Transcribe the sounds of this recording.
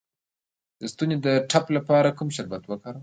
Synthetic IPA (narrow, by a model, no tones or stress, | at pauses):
d̪əst̪uned̪əʈʰaplapɑɾakumʃaɾbat̪wəkɑɾaw